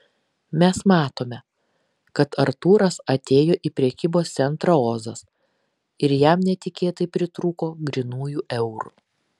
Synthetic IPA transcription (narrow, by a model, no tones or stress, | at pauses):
mʲɛsmɑːt̪oːmʲɛ | kɐt̪ɐɾt̪uːɾɐsɐt̪ʲeːjoːʔiːpʲɾʲɛkʲiːboːst̪sʲɛnt̪ɾɐoːzɐs | ɪɾjɛmnʲɛt̪ʲɪkʲeːt̪ɐɪpʲɾʲɪt̪ɾuːkoːɡɾʲɪnuːjuʔɛʊɾṵ